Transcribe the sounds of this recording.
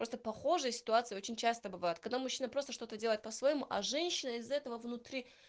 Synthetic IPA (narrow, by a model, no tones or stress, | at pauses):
pɾo̞st̪əpɐxo̞ʐɨjəsʲɪ̥t̪ʊat̪sɨɪo̞t͡ɕɪnʲt͡ɕast̪əbɨvajʊt̪̚kɐɡ̚d̪amʊɕːinəpɾo̞st̪əʂt̪o̞t̪ədʲeəjɪt̪̚pəsvəjɪmuʔɐ̰ʐɛnʲɕːɪnəɪzɐɛt̪əvəvnʊt̪ɾʲi